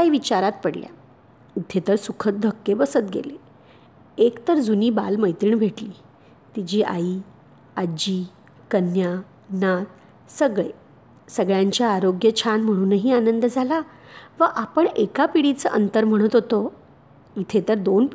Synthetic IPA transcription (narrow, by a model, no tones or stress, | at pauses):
aiʋit͡ɕaɾat̪̚pəɽlja̰ | it̪ʰet̪əɾsukʰət̪̚d̪ʱəkːebəsət̪ɡḛle | ekt̪əɾd͡zuniːba̰lməjt̪ɾiːɳbʱeʈliː | t̪id͡ʑiːʔa̰iː | ad͡ʑiː | kənja | nat̪̚ | səɡɭḛ | səɡɭjaɲt͡ɕjaːɾoɡjət͡ɕʰanm̤əɽ̃uːnəɦiːanənd̪d͡zʱala | ʋəʔapəɳekapiɽit͡səʔənt̪əɾm̤əɽ̃ət̪ɦot̪o | it̪ʰet̪əɾd̪onp